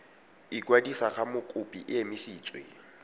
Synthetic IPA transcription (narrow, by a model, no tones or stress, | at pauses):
ɪkwadisaχamʊkʼʊpʼiʔɪemɪsiːt͡sʼwḛ